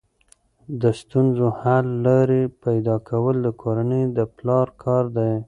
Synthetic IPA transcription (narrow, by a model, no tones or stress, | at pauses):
d̪əst̪unzohalːaɾepajd̪ɑkʰawəld̪əkʰoɾanəjd̪əplɑɾkʰɑɾd̪aj